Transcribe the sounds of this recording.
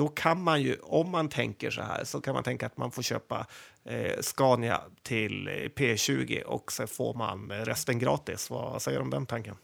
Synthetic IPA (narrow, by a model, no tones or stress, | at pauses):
d̪̥ɔkʰanmanjɵɔmːant̪ʰɛŋkəʂɔ̰hæ̰ːɾʂɔkʰanma̰nt̪ʰɛŋkaːt̪manfoːɾɕø̰ːpa | skɑːnɪa̰t̪ʰɪlpʰeːɕʉ̟ːɡɪ̰ʔɔ̰ksɛnfoːɾmanɾɛst̪ənɡɾɑːt̪ɪsvasɛjːəɾɔmd̪ɛnt̪ʰaŋkən